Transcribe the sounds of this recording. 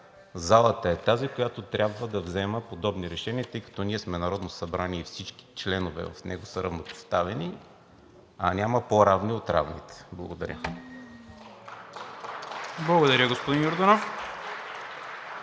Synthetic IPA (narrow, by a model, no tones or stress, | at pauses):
zalˠət̪əɛt̪azikojat̪ot̪ɾʲabvəd̪ɐvzɛməpod̪ɔbniɾɛʃɛniət̪ɤjkɐ̥t̪ɔniɛsmɛnɐɾɔd̪nosɐbɾaniifsit͡ʃki̥t͡ʃlɛnovɛ̰vɐ̰fnʔɛ̰ɡosəɾɐ̰vnopo̥st̪avɛni | ɐnʲaməpoɾavniot̪ɾa̰vnḭt̪ɛ̥blˠɐ̰ɡod̪ɐɾʲə̰ | blˠɐɡod̪ɐɾʲəɡospod̪injoɾd̪onof